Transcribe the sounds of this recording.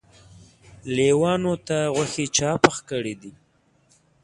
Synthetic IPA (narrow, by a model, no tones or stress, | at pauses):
lewɑnot̪aɣwaxet͡ʃɑpəxkəɽid̪i